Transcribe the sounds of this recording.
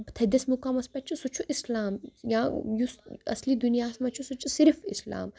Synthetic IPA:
t̪ʰɐd̪ɐsmukaːmɐspʲɐt͡ʃʰusut͡ʃʰuʔislaːmjãjusɐ̰sliːd̪unijaːsmɐt͡ʃʰusut͡ʃʰusiɾfḭsla̰ːm

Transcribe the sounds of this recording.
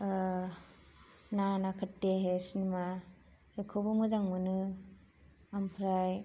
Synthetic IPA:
nanakʰɯtːeɦesinima | ekʰɯbɯmɯzaŋmɯnɯ | ampʰɾaj

